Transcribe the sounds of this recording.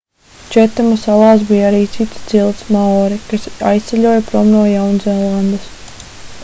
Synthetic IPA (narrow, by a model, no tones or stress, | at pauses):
t͡ʃɛt̪ːɛmɔsalˠɑːs̬bijaɾiːt̪sit̪st̪z̥ilˠt̪smaɔːɾikasa̰jst̪sʲɛʎʲuɔjapɾɔmnuɔjawnzɛlˠːand̪ɐs